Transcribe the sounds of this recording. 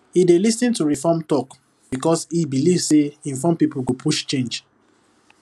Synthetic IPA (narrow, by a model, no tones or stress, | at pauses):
idelisĩntuɹifɔmtɔk | b̥ikɔsibilivseĩɱfɔ̃mpipuɡopʰuʃt͡ʃẽnd͡ʒ